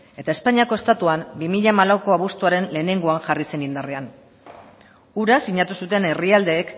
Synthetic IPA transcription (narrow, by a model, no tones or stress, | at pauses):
e̞t̪ae̞spaɲiako̞est̪at̪uambimiʎamalawko̞aβust̪uaɾe̞nle̞ːne̞ŋɡo̞aŋʝarise̞nind̪are̞an | uɾasiɲat̪usut̪e̞ne̞riald̪e̞ːk